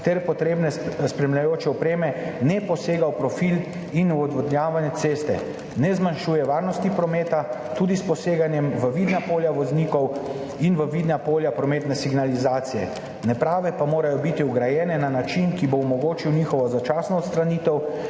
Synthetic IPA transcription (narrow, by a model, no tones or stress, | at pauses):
t̪ɛɾpɔt̪ɾebnɛspɾɛmlʲjajoːt͡ʃɛɔpɾeːmɛnɛpɔseːɡawpɾɔfil | inuɔd̪ʋɔd̪nʲjaːʋanjɛt̪seːst̪ɛ̰ | nɛzmanʃuːjɛʋaːɾnɔst̪ipɾɔmeːt̪at̪uːd̪ispɔseːɡanjɛmʋəʋiːd̪napoːljaʋɔzniːkɔw | inʋəʋid̪napoːljapɾɔmeːt̪nɛsiɡnalizaːt̪sijɛ̰ | nɛpɾaːʋɛpamoːɾajɔbit̪iuɡɾajɛːnɛnanat͡ʃinkiboːmɔɡoːt͡ʃiwnixɔʋɔzat͡ʃasnɔɔt̪st̪ɾaniːt̪ɛw